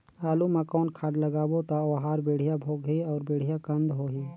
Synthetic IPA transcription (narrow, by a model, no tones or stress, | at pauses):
aːlumãkɔːnkʰaːɖləɡaːbot̪aʋɦaːɾbeːɽ̤ijabʱoːɡɦiɔːɾbeːɽ̤ijakə̃nd̪ɦoːɦiː